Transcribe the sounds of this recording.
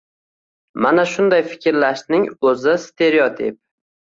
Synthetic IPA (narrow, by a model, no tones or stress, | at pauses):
manaʃʊnd̪ajfɪ̥kʲɾlaʃnɪŋɵzɪst̪ʰe̞ɾiot̪ʰɪp̚